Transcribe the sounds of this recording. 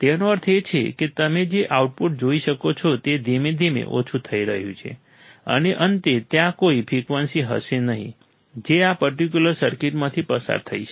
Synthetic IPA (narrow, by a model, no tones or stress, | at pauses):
t̪enoəɾt̪ʰet͡ʃʰḛket̪əmed͡ʒeʔauʈ̚puʈ̚d͡ʒoiʃəkot͡ʃʰɔt̪ed̪emed̪ʱimḛʔo̰t͡ʃʰut̪ʰəiɾəɦjṵ̃t͡ʃʰḛ | ə̰neʔənt̪et̪jãkoipʰɾikʋənsiɦə̰ʃenəɦḭ̃ | d͡ʒeapəɾʈik̬juləɾsəɾkiʈmãt̪ʰipəsa̰ɾt̪ʰəit͡ʃʰ